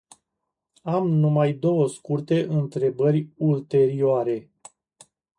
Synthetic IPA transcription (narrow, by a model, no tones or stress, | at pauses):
amnumajd̪o̞wəskurt̪e̞ʔɨnt̪ɾe̞bərʲult̪e̞ɾioaɾe̞